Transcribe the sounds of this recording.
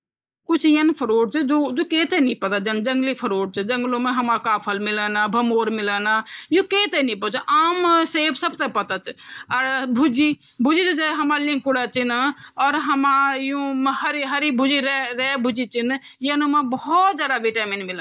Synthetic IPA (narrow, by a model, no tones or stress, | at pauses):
kʊt͡ʃʰjənpʰəɾoːɖ̚t͡ʃʰɨd͡ʒod͡ʒokeːt̪enĩpɐt̪ad͡ʒənd͡ʒə̃ŋɡlipʰəɾoːɖ̚t͡ʃʰəd͡ʒəŋɡlõmẽɦɐmakaːpʰəlmɪlanabʱɐmoːɾmɪlaːnajũkeːt̪enĩpət͡ʃʔaːmseːbsəbt̪epɐt̪at͡ʃʰəɾbʱud͡ʒi | bʱud͡ʒit͡ʃut͡ʃeɦɐmalĩŋkuɽat͡ʃinɔːɾɦəmajũmhəɾiɦəɾibʱud͡ʒiɾeɾɛbʱud͡ʒit͡ʃin | jənumabəɦɔt̪d͡ʒjaːd̪aʋiʈaːminmɪla